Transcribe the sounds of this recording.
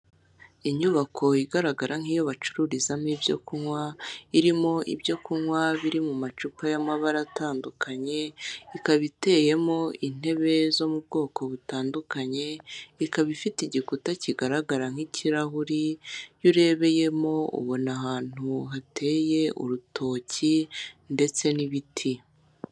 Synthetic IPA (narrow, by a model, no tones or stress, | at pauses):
iɲuβakʰo̞iɡaɾaɡaɾaŋ̥ijoβat͡ʃu̥ɾuɾizamiːbɟo̞̰kunwaiɾimo̞ʔḭbjo̞kunwaβiɾimumat͡ʃupajamaβaɾataːndukʰaɲe̞ikaβite̞ːje̞mo̞in̥e̞βe̞zo̞mubɡo̞ːko̞βutaːndukaɲe̞ikaβifitiɟikutaciɡaɾaɡaɾaŋ̥iciɾaɦuɾijuɾe̞βe̞je̞mo̞ṵβonahaːn̥huɦatʰe̞ːje̞ʔṵɾutʰo̞ːcinde̞t͡se̞niβitʰi